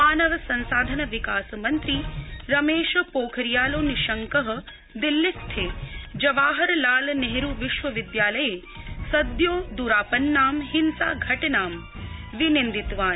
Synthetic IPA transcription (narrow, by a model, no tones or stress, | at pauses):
aːnɐʋɐsɐnsaːd̪ʱɐnɐʋikaːsɐmɐnt̪ɾiɾɐmeːʃɐpoːkʰɐɾijaːloːniʃɐŋkɐɦɐ̆ | d̪ilːist̪ʰeːd͡ʒɐʋaːɦɐɾlaːlneɦɾuʋiʃʋɐʋid̪jaːlɐjeː | sɐd̪joːd̪uːɾaːpɐnːaːmɦinsa̰ːɡʱɐʈɐnaːm | ʋinind̪it̪ʋaːn